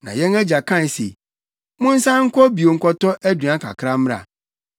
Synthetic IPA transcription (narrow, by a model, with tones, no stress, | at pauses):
nã̰˨jɛ̃˦næ˦d͡ʑa˨kʰã˦˨n˨sḛ˨ | mʊ̃˦n̩˦sã˦ŋ̩˦kʰʷɔ˦bi˨o˨ŋ̩˦kʰɔ˦tɔ˦ʔæ˦dɥa˦kʰa̰˨kʰɾã˦m̩˦a̰˨